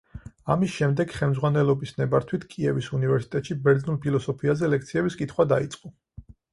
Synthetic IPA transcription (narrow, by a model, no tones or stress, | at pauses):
amisʃɛmd̪ɛɡ̥χɛlmd̪zʁwanɛlˠɔbisnɛbaɾt̪ʰwit̪ʰkʼiɛvisunivɛɾsi̥t̪ʼɛt̪ʃibɛɾd̪znulˠpʰilˠɔsɔpʰiazɛlɛk̚ʰt̪sʰiɛbiskʼit̪ʰχwad̪ait̪sʼqʼɔ